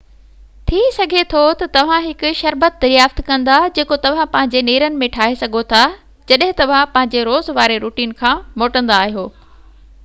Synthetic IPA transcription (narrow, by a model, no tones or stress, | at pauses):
t̪ʰisɐɡʱet̪ʰot̪ɐt̪ɐʋ̤ãɦɪkʊ̆ʃɐɾbət̪̚d̪ɐɾjaːft̪kɐ̃nd̪ad͡ʑeːkot̪ɐʋ̤ãpɐ̃ɦɪ̃ɲd͡ʑeneːɾənɪ̆mẽʈʰaːɦesɐɡʱot̪ʰa | d͡ʑɐɗɦɪ̃t̪ɐʋ̤ãpɐ̃ɦɪ̃ɲd͡ʑeɾoːzʋaːɾeɾuːʈiːnkʰãːmoːʈə̃nd̪aːɦijoː